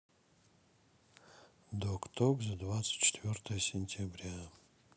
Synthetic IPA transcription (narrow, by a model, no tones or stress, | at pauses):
d̪okt̪ʰokzʲad̪vat̪sɨ̥t̚ʲt͡ʃʰɪ̥t̪vʲort̪əjəsʲɪnʲtʲʰabɾʲa